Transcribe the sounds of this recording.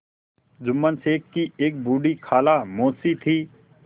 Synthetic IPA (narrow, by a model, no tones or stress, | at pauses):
d͡ʒʊmːənseːkːieːk̚buːɖikʰaːlamoːsit̪ʰiː